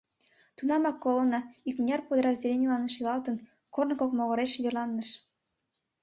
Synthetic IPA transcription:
t̪unɑmɑkːolŏnɑikmnʲɑrpod̪əɾɑzʲdʲelʲenʲilɑnʃilɑlt̪ə̆n | kornkokmoɣɤ̆ɾeʃβʲerlˠɑnːəʃ

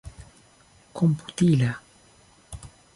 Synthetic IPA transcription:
kompu̥t̪ila

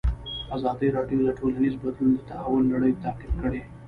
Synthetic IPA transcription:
azɑd̪iɾɑɖijod̪aʈʰolanizbad̪lund̪ət̪ahawʊlːaɽəjt̪aqɪb̪̚kəɽe

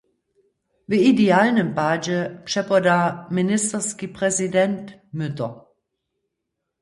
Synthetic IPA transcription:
veideaːlnəmpaːd͡ʒəpʃɛpɐdaːmɪnɪstɐskipʁɛzidɛntmʏtɐ

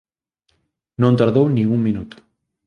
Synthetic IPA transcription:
nõnt̪aɾðownĩŋuŋmĩnut̪ʊ̥

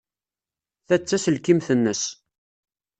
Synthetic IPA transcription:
θæt͡sːæsəlkimθənːəs

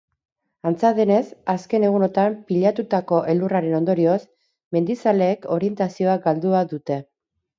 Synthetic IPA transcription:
ant͡saðene̞saske̞ne̞ɣ̞uno̞t̪ampiʎat̪ut̪ako̞ʔe̞luraɾe̞no̞nd̪o̞ɾio̞s | me̞nd̪isale̞ːko̞ɾie̞nt̪asio̞aɡald̪uaðut̪e̞

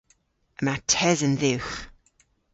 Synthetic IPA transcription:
əmatʰɛzənðʉwx

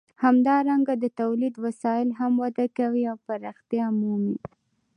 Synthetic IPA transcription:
hamd̪ɑɾaŋɡad̪ət̪awlid̪wasɑjɪlɦamwad̪akawiawpaɾɑxt̪jɑmumi

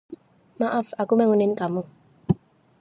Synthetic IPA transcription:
maʔafakumɛŋuninkamu

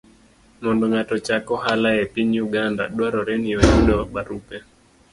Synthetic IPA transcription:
mɔndɔŋatɔt͡ʃakɔɦalaɛpiɲuɡanda̰ɗwaɾɔɾɛniɔɲundɔɓaɾupɛ

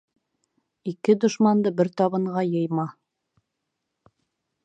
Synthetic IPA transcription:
ikɘd̪ŏʃmɑnd̪ɤbɘɾt̪ɑβɤ̆ɴʁɑjɤ̆jmɑ

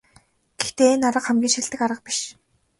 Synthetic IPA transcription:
ɡ̥ext̪eːenaɾə̆qχæmɡʲiːʃiɮt̪ɘ̆kaɾə̆q̚pi̥ʃ

